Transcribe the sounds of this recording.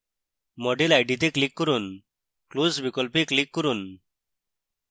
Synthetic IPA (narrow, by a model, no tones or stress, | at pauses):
mɔɖilajɖit̪eklikːɔɾun | kluzbikɔlpiklikːɔɾun